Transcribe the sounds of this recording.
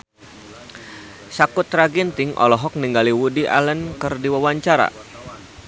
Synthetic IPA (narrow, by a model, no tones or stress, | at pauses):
sakʊt̪ɾaɡint̪ɪŋʔɔ̰lɔɦɔk̚niŋɡaliwudiʔa̰lənkɨrdiwawaɲt͡ʃaɾa̰